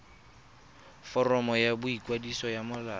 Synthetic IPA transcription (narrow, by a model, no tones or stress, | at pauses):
fɔrɔmɔjabʊikʼwadisɔjamʊlaː